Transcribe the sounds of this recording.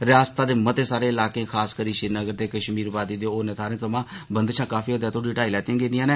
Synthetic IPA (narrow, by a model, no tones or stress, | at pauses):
ɾɪaːst̪aːd̪eːmət̪eːsaːɾeːɪlaːkẽːkʰaːskəɾiːʃɪɾnəɡəɾd̪eːkəʃmiːɾpaːd̪iːd̪eːoːnet̪ʰaːɾẽːt̪əmãːbənd̪t͡ʃʰãːkaːfiːɦod̪jaːt̪ʰoːɖiʈaːilɛːt̪ãːɡeːd̪ijãːneː